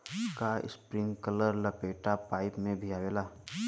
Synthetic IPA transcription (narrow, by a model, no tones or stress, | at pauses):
kaɪ̰spɾɪ̃ŋɡkələɾlɐpeːʈapaːɪpmẽbʱiaːʋeːlaː